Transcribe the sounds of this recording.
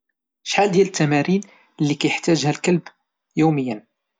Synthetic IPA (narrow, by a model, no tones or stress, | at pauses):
ʃħald̪jælət̪ʰːæmæɾin | lːikæjəħt̪æʒhælkəlb | juməjːən